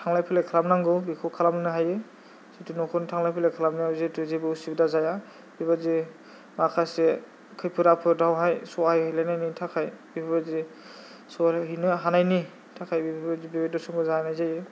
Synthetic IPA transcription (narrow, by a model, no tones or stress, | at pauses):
tʰaŋlajpʰɯlajkʰalamnaŋɡɯwbikʰɯkʰalamnɯnɯɦajɯ | sitɯnɔkʰɯntʰaŋlajpʰilajkʰalamnɯzetɯzebɯsibdazaja | bibazi | makʰase | kʰɯjpʰɯɾapʰɯdawɦajsɔajhɯjlajnajnitʰakʰajbibʰabazi | sɔlɦinɯɦanajni | tʰakʰajbibbazibibedɔsɔŋɡɯzanajzajɯ